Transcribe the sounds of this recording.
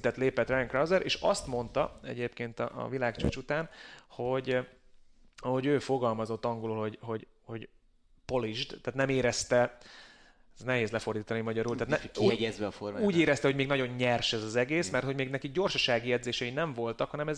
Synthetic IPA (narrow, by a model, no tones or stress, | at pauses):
t̪ɛt̪leːpɛt̪rɛjŋkrɒwzɛɾʔeːʃɒst̪mo̞nt̪ɒɛ̰ɟeːpkeːnt̪ɒ̰ʔvilaːkt͡ʃo̰t͡ʃut̪aːnho̞ɟ | hoɟøːfo̞ɡɒlmɒzo̞t̪ːɒŋɡoluːlho̞ɟho̞ɟ | ho̞ɟ | po̞liʒd̪t̪aːt̪nɛmeːɾɛst̪ɛ | nɛɦeːzlɛfo̞rd̪iːt̪ɒnimɒɟɒɾuːlt̪aːt̪kiɛɛzʋɛɒforuːɟeːɾɛst̪ɛɦo̞ɟmeːɡnɒɟo̞ɲɲɛrʃɛzɒzɛɡeːsmɛrt̪ho̞ɟmeːɡnɛkiɡɟo̞rʃɒʃaːɡijɛd̪zeːʃɛinɛɱvo̞lt̪ɒkhɒnɛmɛz